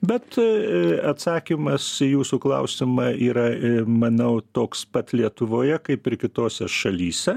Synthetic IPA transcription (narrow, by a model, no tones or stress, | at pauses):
bʲɛt̪ | ɐt̪sɑːkʲimɐsijuːsuklˠɐ̰ʊsʲɪmɑːiːɾɐmɐnɐʊt̪oːkspɐt̪lʲiɛt̪ʊʋoːjɛkɐɪpɪɾkʲɪt̪oːsʲɛʃɐlʲiːsʲɛ